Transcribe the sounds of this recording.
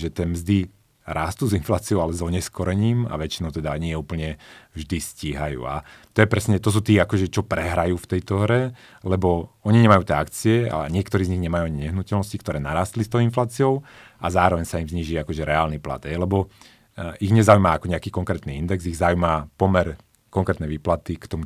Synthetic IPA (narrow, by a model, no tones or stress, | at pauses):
ʒɛt̪ɪɛːmzd̪i | ɾaːst̪uːzinflaːt͡siɔʊalɛzɔɲɛskɔɾɛɲiːma̰ʋɛt͡ʃinɔʊt̪ɛd̪aɲɪɛuːpl̩ɲɛvʒd̪isciːɦajṵːa̰t̪ɔjɛpɾɛsɲɛt̪ɔs̬uːt̪iːakɔʒɛt͡ʃɔpɾɛɦɾajuːft̪ɛjt̪ɔɦɾɛ | lɛbɔɔɲiɲɛmajuːt̪ɛakt͡siɛa̰ɲɪɛkt̪ɔɾiːzɲiɣɲɛmajuaɲiɲɛɦnucɛlnɔsci̥kt̪ɔɾɛːnaɾaːst̪list̪ɔʊinflaːt͡siɔʊazaːɾɔʋɛɲsaimzɲiːʒiakɔʒɛɾɛaːlnipla̰d̪ɦɛjlɛbɔ | iɣɲɛzaujmaakɔɲɛakiːkɔŋkɾɛːt̪niind̪ɛɡziɣzaujmapɔmɛɾ | kɔŋkɾɛːt̪nɛʋiːplat̪ikt̪ɔmu